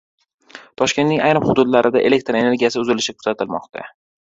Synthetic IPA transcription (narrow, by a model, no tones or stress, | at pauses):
t̪ʰɒʃkʲenːɪŋajɾɨmhʊd̪ʊd̪laɾɪd̪aʔe̞le̞k̚t̪ɾe̞ne̞ɾɡʲijasɪʊzɪlɪʃɪkʰʊ̥z̥at̪ʰɪlmɒ̰qt̪ʰa̰